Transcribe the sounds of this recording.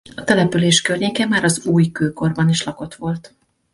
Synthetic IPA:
ɒt̪ɛlɛpyleːʃkørɲeːkɛmaːɾɒzuːjkøːko̞rbɒniʃlɒko̞t̪ʋo̞lt̪

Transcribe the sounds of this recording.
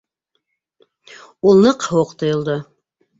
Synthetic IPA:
ulˠnɤqhɤwɤqt̪ŏjŏlˠd̪ɤ

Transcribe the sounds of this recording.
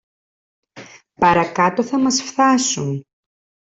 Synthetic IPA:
pɐɾɐkɐt̪oθɐmɐsfθɐsun

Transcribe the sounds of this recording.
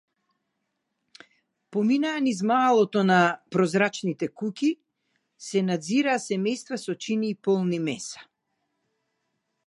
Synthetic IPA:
pɔminaːnizmalˠɔt̪ɔnapɾɔzɾat͡ʃnit̪ɛkukʲi | sɛnad̪ziɾaːsɛmɛjst̪vasɔt͡ʃiniːpɔlˠnimɛsḁ

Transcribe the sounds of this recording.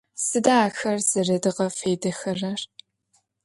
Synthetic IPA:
sɨdaːxɐrz̥ɨrɨdɨʁɐfeːdɐxɐrɐr

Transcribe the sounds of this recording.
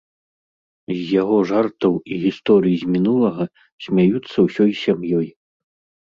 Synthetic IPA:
zʲjaɣɔʐart̪ɐwiɣʲist̪ɔɾɨjizʲmʲinulˠɐɣɐ | sʲmʲajut̪sːɐwsʲɔjsʲamjɔj

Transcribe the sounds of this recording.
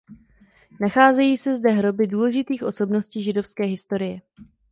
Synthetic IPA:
naxaːzɛjiːsɛzdɛɦɾo̞bɪduːlɛʒɪt̪iːxʔo̞so̞bno̞sciːʒɪdo̞fskɛːɦɪst̪o̞ɾɪjɛ

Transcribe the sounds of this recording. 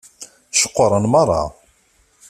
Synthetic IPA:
ʃə̥qːɾˤənmɑrˤːɑ̰

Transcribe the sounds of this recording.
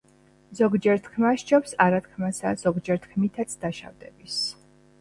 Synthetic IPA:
zɔɡd͡ʒɛɾt̪ʰkʰmaʃt͡ʃɔpsaɾat̪ʰkʰmasa̰z̥ɔɡd͡ʒɛɾt̪ʰkʰmit̪ʰat̪sʰd̪aʃa̰vd̪ɛbis

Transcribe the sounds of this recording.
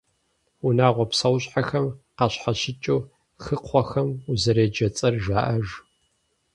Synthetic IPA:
unaːʁʷɔpsɐwɕʼħaxɐmqɑɕħaɕɪt͡ʃʼuː | xɨqʰʷɔxɐmuzɐɾeːd͡ʒɐt͡sʼɐrʒaːʔɐʒ

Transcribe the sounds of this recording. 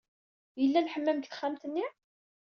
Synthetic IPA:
jəlːænħəmːəmt̪θχːæmt̪ənːi

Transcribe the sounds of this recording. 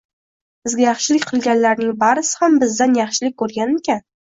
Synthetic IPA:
bɪzɡʲajɑχʃɪlɪkʲqʰɨlˠɡʲanlaɾnɪŋbaɾɪsɪ̥hambɪzd̪anjɑχʃɪlɪk̚ʲkʰːɵɾɡʲanekʲʰan

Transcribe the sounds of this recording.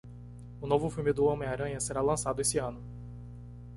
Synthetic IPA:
ʊnovʊfiwmɪd̪ʊõmẽj̃aɾɐ̃ɲɐseɾalɐ̃sad̪ʊesɪɐ̃nʊ

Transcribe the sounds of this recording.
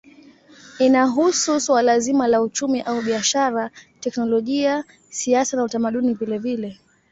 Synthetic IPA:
inaɦususwalazimalaut͡ʃumiʔauɓiaʃaɾatɛknɔlɔʄia | siasanautamaɗunivilɛvilɛ

